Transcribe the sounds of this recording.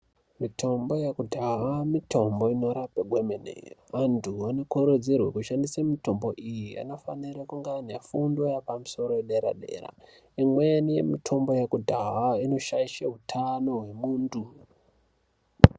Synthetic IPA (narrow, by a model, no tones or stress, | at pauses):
mitʰo̞mbo̞jekudʱaɦamitʰo̞mbo̞ino̞ɾapeɡʱwemenḛoʋantʰuano̞koɾod͡zerwḛkuʃandisamito̞mbo̞ʔijia̰no̞faniɾakuŋɡaːnafundojapamuso̞ɾoeɗeɾa̰ɗe̞̰ːra̰ | imwenije̞̰mitʰo̞mbo̞jakudʱaɦaino̞ʃaiʃeɦutʰano̞ɦwe̞muːndu